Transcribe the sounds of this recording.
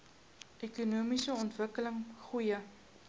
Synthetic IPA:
ʔekunuːmisəɔntvəkələŋχujə

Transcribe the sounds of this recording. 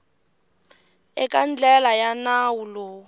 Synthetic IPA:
ɛkʼand͡ɮɛlajanawuloː

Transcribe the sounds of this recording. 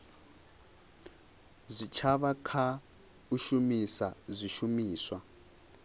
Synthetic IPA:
zʷit͡ʃʰaβakʰa | uʃumisazʷiʃumiːswa

